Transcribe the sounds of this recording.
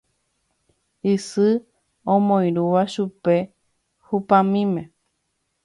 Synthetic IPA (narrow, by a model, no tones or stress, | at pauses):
isɨ | õmõj̃ɾuʋaʃupe̞ | hupãmĩmẽ